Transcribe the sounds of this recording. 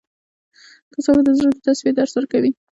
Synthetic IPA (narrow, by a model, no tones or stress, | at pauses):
kasɑnd̪əzɾəkd̪ət̪aswied̪aɾswəɾakawi